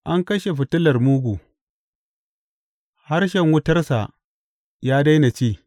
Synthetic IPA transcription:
ʔa˦ŋkɐ˦ʃe˨ɸɪ˨tʊ˦lɐ˨rmuː˦ɡʷu˨ | ha˦rʃɛ˨ŋwʊ˦tɐ˦rsa˨ | jaː˦da˦jna˨t͡ʃiː˦˨

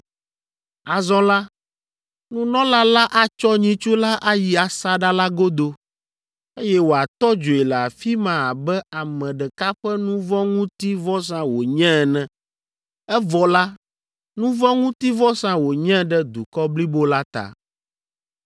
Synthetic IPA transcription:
a˨zɔ̃˦la˦ | nũ˦nɔ̃˦la˦la˦ʔa˦t͡ʃɔ˦ɲĩ˨t͡ʃu˦la˦ʔa˦ji˨a˨sa˦ɖa˦la˦ɡo˦d̪o˦ | e˦jɛ˦wo˨a˨t̪ɔ˦d͡ʒo˨e˨lɛ˨a˨fi˦mã˨a˨bɛ˦a˨mɛ̃˨ɖɛ˨ka˦ɸɛ˦nũ˦vɔ̃˦ŋũ˦t̪i˦vɔ˦s̬ã˦wo˨ɲɛ̃˦˨nɛ̃˨ | ɛ˦vɔ˨la˦ | nũ˦vɔ̃˦ŋũ˦t̪i˦vɔ˦sã˦wo˨ɲɛ̃˦ɖɛ˦d̪u˨kɔ˦bli˦bo˦la˦t̪a̰˨

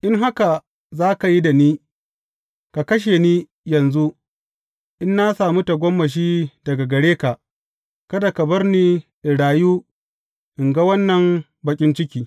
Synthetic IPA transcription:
ʔɪ˦ŋɦa˦ka˨ | zaː˦ka˨ji˦da˨niː˦ | ka˨kɐ˦ʃ̬e˨niː˦ | jɐ˨nzu˦ | ʔɪ˦nːa˦saː˨mu˦ta˨ɡʷɔ˦mːɐ˨ʃ̬iː˦dɐ˨ɡa˨ɡɐ˨ɽeː˦ka˨ʔ | kɐ˦da˨kɐ˨bɐ˦rniː˦ʔɪ˨ɽaː˨juː˦ | ʔɪ˨ŋɡa˦wɐ˦nːɐ˨m | bɐ˨kʲʼɪ˦nt͡ʃɪ˦kʲiː˨

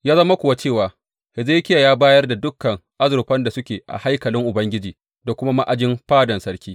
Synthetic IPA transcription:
jaː˦zɐ˦ma˦kʷʊ˨wa˦t͡ʃeː˦˨waː˨ | hɪ˨zeː˦kʲɪ˦ja˨jaː˦baː˦jɐ˦rda˨dʊ˦kːɐ˨ŋʔa˦zʊ˨ɾɸɐ˦nda˨sʊ˦kʲeː˨ʔa̰˨ha˦jkɐ˨lɪ˦ŋʔʊ˨bɐ˦ŋɡʲɪ˦d͡ʒiː˨ | da˨kʷʊ˦ma˦ma˦ʔa˦d͡ʒɪ˦mɸaː˦dɐ˨nsɐ˦ɽkʲiː˦

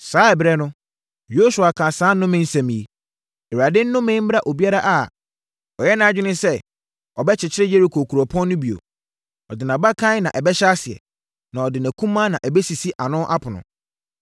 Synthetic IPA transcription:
saː˦ɛ˨bɾɛ˦nʊ̃˦ | jo˦su˨a˨kʰã˨sãː˨˦nʊ̃˦mɪ̃˦n̩˦sæ̃˨mĩ˨e˨ | ɛ˨a˨dɪ˦n̩ː˦ʊ̃˦mẽ˦m̩˦m˦ɾa˦ʔo˨bi˦a˦ɾa˦ʔa˨ | ɔ˨jɛ˦nã˨˦d͡ʑᶣɪ˦nɪ̃˦sɛ˦ | ɔ˨bɛ˦t͡ɕʰɪ˨t͡ɕʰɪ˦ɾɪ˦je˦ɾi˨kʰo˨kʰu˨ɾɔ˨pʰɔ̃˦nː˦ʊ̃˦bi˨o̰˨ | ɔ˨dɪ˨nã˨ba˦kʰã˦nã˨ʔɛ˨bɛ˦ɕa˦sɪ˨ɛ̰˨ | nã˨ɔ˨dɪ˨næ̃˨kʰũ˦mã˦nã˨ʔɛ˨bɛ˦si˨si˦ʔa˨nʊ̃˦ʔa˦pʰʊ˨nʊ̰̃˨

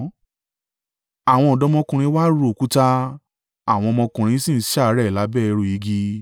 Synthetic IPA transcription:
a˦˨w̃ɔ̃˧ɔ˨dɔ˧mɔ̃˧kũ˧ɾ̃ĩ˧˦wa˦ɾo˨ku˦ta˦ | a˦˨w̃ɔ̃˧mɔ̃˧kũ˧ɾ̃ĩ˧˦sĩ˦˨n̩˦ʃa˦˨˦ɾɛ˦˨la˨˦bɛ˦˨ɛ˧ɾo˨ji˨˦ɡi˧

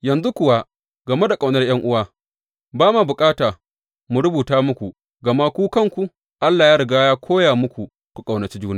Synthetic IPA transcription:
jɐ˨nzu˦kʷʊ˨wa˦ | ɡɐ˨me˦da˨kʼa˨wnɐ˦rj̰ɐ˦ŋʔʊ˦waː˦ | baː˦ma˨bʊ˨kʼaː˦taː˨ | mu˨ɾʊ˦buː˨taː˦mʊ˦kʷu˨ | ɡɐ˨ma˦kʷuː˦kɐ˦ŋkʷu˨ | ʔa˦lːaː˨jaː˦ɽɪ˨ɡaː˦jaː˦kʷʰoː˦jaː˨mʊ˦kʷu˨ | kʷu˨kʼa˨wnɐ˨t͡ʃiː˦d͡ʒuː˦naː˦˨

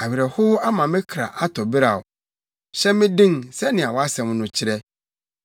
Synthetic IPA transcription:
a˨ɥɪ˨ɾɛ˨hʊ˦ha˦mã˨mɪ̃˦kʰɾa̰˨ʔa˦tʰɔ˨bɪ˦ɾa˨ʊ˨ | ɕɛ˦mɪ̃˦dĩ˦ŋsɛ˦nɪ̃˨a˨wɔ˨a˦sɛ̃˨m˦nʊ̃˨t͡ɕʰɪ˦ɾɛ˦

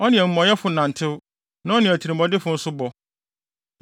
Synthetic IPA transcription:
ɔ˦nɪ̃˨ɛ˨m̩˦mɔ̃˨jɛ˦fʊ˨nã˨n̩˨tʰɪ˦w | nã˦ɔ˦nɪ̃˨ɔ˨tʰi˨ɾĩ˨mbɔ˨dɪ˦fʊ˨˦n̩˦sʊ˦bɔ˨

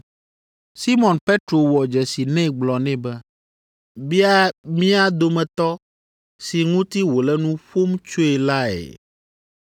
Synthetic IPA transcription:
si˦mɔ̃˨npe˦t̪ɾo˨wɔ˨d͡ʒɛ˨si˨nɛ̃˦ɡ͡blɔ˨nɛ̃˦bɛ˦ | bi˦a˦mĩ˦a˦d̪o˨mɛ̃˨t̪ɔ˦ | si˨ŋũ˦t̪i˦wo˨lɛ˦nũ˦ɸo˦mt͡ʃo˦e˨la˦ḛ˨

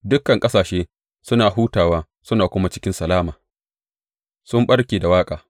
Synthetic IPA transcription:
dʊ˦kːɐ˨ŋkʼɐ˦saː˨ʃeː˦ | sʊ˦naː˨ɦuː˦taː˨waː˦ | sʊ˦naː˨kʷʊ˦ma˦t͡ʃɪ˦kʲɪ˦nsɐ˨laː˦maː˨ | sʊ˦mɓɐ˦ɽkʲeː˨da˨waː˦kʼaː˨

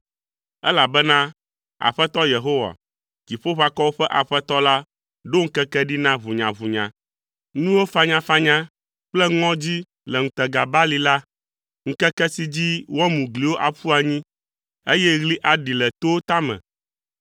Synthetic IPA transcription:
ɛ̰˦la˨bɛ˦nã˦ | a̰˨ɸɛ˦t̪ɔ˦je˨ɦo˦wa̰˨ | ki˨ɸo˦ɸa˦kɔ˦wo˦ɸɛ˦ʔa˨ɸɛ˦t̪ɔ˦la˦ | ɖo˦ŋ̩˦kɛ˦kɛ˦ɖi˦nã˦βu˨ɲã̰˨βu˨ɲã̰˨ | nũ˦wo˦fa˦ɲã˦fa˦ɲã˦ | k͡plɛ˦ŋɔ̃˦d͡ʑi˦ | lɛ˨ŋ̩̃˨t̪ɛ˨ɡa˨ba˦li˦la˦ | ŋ̩˦kɛ˦kɛ˦si˦d͡ʑi˦wɔ˦mũ˨ɡli˨wo˦ʔa˨ɸu˦a˨ɲĩ˦ | e˦jɛ˦ɣli˦ʔa˨ɖi˨lɛ˨t̪o˦wo˦t̪a˦mɛ̰̃˨

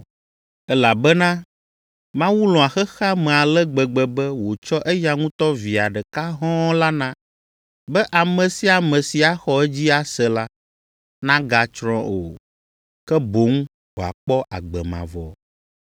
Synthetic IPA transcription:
ɛ˦la˨bɛ˦nã˦ | mã˦wu˦lɔ̃˨a˨xɛ˦xa˦mɛ̃˨a˨lɛ˦ɡ͡bɛ˨ɡ͡bɛ˨bɛ˦wo˨t͡ʃɔ˦ʔɛ˦ja˨ŋũ˦t̪ɔ˦vi˨a˨ɖɛ˨ka˦ɦɔ̃˦la˦nã˦ | bɛ˦ʔa˨mɛ̃˨si˨˦a˨mɛ̃˨si˨a˦xɔ˨ɛ˦d͡ʑi˦a˨sɛ˨la˦ | nã˦ɡa˨t͡ʃɾɔ̃˦ʔo̰˨ | kɛ˦bo˨˦ŋ˦ | wo˨a̰˨k͡pɔ˦ʔa̰˨ɡ͡bɛ˨mã̰˨vɔ̰˨

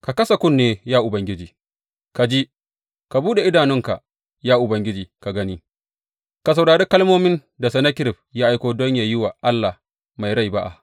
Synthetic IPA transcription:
ka˨kɐ˦sa˨kʷʊ˦˨nːeː˦jaː˦ʔʊ˨bɐ˨ŋɡʲɪ˦d͡ʒiː˨ | ka˨d͡ʒi˦ | ka˨buː˦ɗe˨ʔɪ˦daː˨nɪ˦ŋka̰˨ʔ | jaː˦ʔʊ˨bɐ˨ŋɡʲɪ˦d͡ʒiː˨ka˨ɡɐ˦ni˦ | ka˨s̬ɐ˨wɽaː˨ɽeː˦kɐ˦lmoː˦mɪ˦n | da˨sɛ˨nɐ˦kʲɪ˦ɾɪ˨ɸjaː˦ʔa˦jkʷoː˦dɔ˦ɲjaː˨jʊ˦waː˨ʔa˦lːa˨ | ma˨jɽa˦˨jba˦ʔa̰˨ʔ

